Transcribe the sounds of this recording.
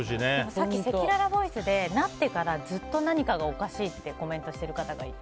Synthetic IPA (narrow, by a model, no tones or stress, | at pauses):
ɕinemosakisekiɾaɾabo̞isɨd̪e̞nat̪ːe̞kaɾad͡zɨt̪ːo̞naɲ̟ikaɡao̞kaɕiːt̪ːe̞ko̞mẽ̞nt̪o̞ɕi̥t̪e̞ɾɯ̟kat̪aɡa̰i